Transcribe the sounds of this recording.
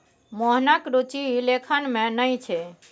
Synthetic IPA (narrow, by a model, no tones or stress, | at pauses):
mɔɦnakɾut͡ʃilekʰənmẽnəjt͡ʃʰe